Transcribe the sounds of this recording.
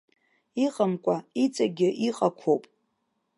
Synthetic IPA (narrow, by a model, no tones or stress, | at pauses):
iqʼəmkʷʼait͡sʼaɡʲɪʔiqʼakʷʰowpʼ